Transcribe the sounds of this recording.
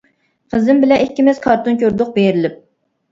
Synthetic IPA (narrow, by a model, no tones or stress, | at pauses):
qʰəzɪmbɪlɛʔikʲːimɛzkʰɑɾt̪ʰunkʲʰøɾd̪ʊq̚bejɾɪlɪp̚